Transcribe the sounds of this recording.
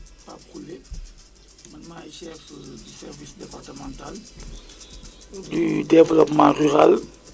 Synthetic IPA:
papʁule | mɐnmajʃɛkdisɛʁvisdɛpartəmɑ̃ntal | dydɛvlɔpmɑ̃ʁyʁal

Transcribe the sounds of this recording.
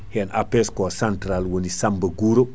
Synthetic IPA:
hɛnapɛskɔsantɾalwonisambɐɡuɾo

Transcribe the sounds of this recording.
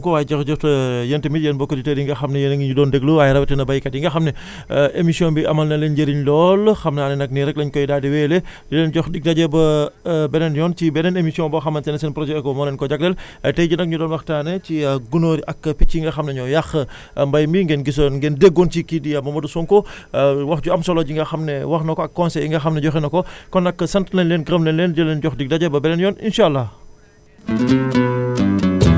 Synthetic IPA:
ŋkɔwaːjd͡ʒɐxd͡ʒɔftɐjɐntɐmitjɛnbɔkːɐditediŋɡɐxɐmnɐjɛnŋɲudɔːndɛɡluajɾɐwtɛnɐbɐjkɐdiŋɡɐxɐmnɛ | ʔemisiɔ̃nbiʔɐmɐlnɐlɛnɟɐɾiɲlɔːlxɐmnaːnɛnɐk̚niɾɛk̚lɐɲkɔjdaːdiwɛlɛd͡ʒulɛnɟɔxdik̚tɐɟɛbɐbɛnɛnjɔnt͡ʃibɛnɛnemisiɔ̃bɔxɐmɐnsɛnɐsɛnpɾɔd͡ʒɛkɔmɔlɛnkɔɟɐk̚lɛl | ɐtɛjɟunɐk̚ɲudɔːnwɐxtaːnɛt͡ʃiɡunoɾiʔɐkːpicːiŋɡɐxɐmnɛɲɔjaxə | mbɐjmbiŋɡɛnɡis̬onŋɡɛndeɡːont͡ʃikidijamɐmɐdusɔŋkɔwɐxɟuɐmsɔlɔɟiŋɡɐxɐmnɛwɐxnɐkɔɐkːɔnsɛiŋɡɐxɐmnɛɟɔxɛnɐkɔkɔnɐkːəsɐntnɛnlɛnɡɾəmlɛnlɛndɐlɛnɟɔxdik̚dɐɟɛbɐbɛnɛnjɔnḭnʃaːlːɐ

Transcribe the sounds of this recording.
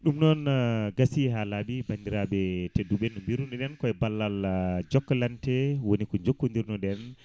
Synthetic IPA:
ɗumnɔnɡasiɦalaɓibandiɾaɓɛtedːuɓɛnumbiɾunɗɛɗɛnkɔɛbalːald͡ʒɔkːɔlantɛwonikɔɲd͡ʒokːundiɾnɔɗɛn

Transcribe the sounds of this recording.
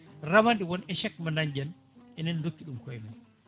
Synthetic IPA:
ramandiwɔnɛʃɛkmanaɲd͡ʒɛn | ɛnɛndokːiɗumkɔɛmaj

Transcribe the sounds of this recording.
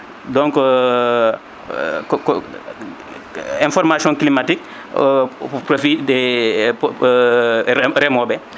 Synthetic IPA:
dɔ̃ŋk | k | ɛ̃nfɔɾmasiɔ̃ŋklimatik̚ | pɾofidɛ | ɾɛmɔbɛ

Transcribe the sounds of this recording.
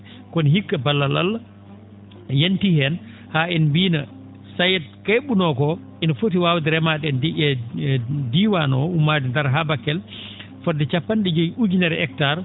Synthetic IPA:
kɔnihikːabalːala̰lːa | jentihɛn | haɛnbiːna̰ | sajɛd̚kaɓunɔkɔ | inafot̬iwawdiɾɛmaɗɛndiɛ | diːwanɔumːadɛndaɾɦabakːɛl | fɔdːɛt͡ʃapːanɗɛd͡ʒɔjud͡ʒinɛɾɛk̚taɾ

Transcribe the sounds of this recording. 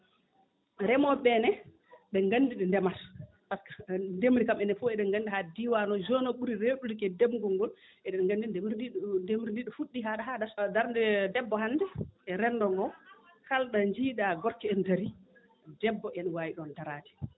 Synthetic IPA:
ɾɛmɔɓɛnɛ | ɓɛŋɡandiɗɛndɛmas | paskḁndemɾikamɛnɛfuɛɗɛŋɡandihadiwanɔd͡ʒɔnɔɓuɾiɾeɗulikɛdɛbŋɡɔŋɡɔl | ʔɛɗɛnŋɡandiemɾindemɾindiɗɔfuɗːiɦaɗaɦaɗasdaɾdɛdɛbːɔhanːdɛɛɾɛnːdɔŋɡɔ | kalɗaɲd͡ʒiːɗaɡɔɾkɛɛndaɾi | dɛbːɔʔɛnwajiɗɔndaɾati̥

